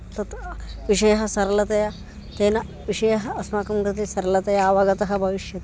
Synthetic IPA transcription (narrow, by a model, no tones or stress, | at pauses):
t̪ɐt̪ʋiʃɐjɐɦɐ̆sɐɾɐlɐt̪ɐjɐ | t̪eːnɐ | ʋiʃɐjɐɦɐɐsmakɐmɡɾɨt̪esɐɾɐlɐt̪ɐjɐːʋɐɡɐt̪ɐɦɐ̆bʱɐʋiʃjɐt̪